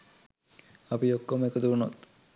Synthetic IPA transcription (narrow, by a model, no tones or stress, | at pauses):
ɐpiokːomekət̪uuno̰t̪